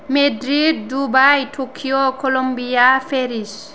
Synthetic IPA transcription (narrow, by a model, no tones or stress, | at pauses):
medɾid̚dubajʈʰokʰijokolombijafʰeɾis